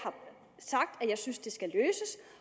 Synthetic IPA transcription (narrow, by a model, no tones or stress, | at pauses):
hɑ̈ | sɑ̈ɡ̥̚d̥æjɑ̈ɪsynsd̥e̝sɡ̥æløːsəs